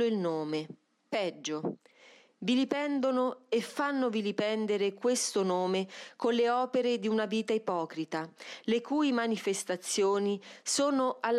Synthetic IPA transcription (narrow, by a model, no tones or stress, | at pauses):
oilnoːme | pɛd͡ʒːo | vilipɛnd̪onoefːanːovilipɛnd̪eɾekwest̪onoːmekonleɔːpeɾed̪iunaviːt̪aipɔːkɾit̪alekuːjmanifest̪at̪sːjoːnisoːnoʔalː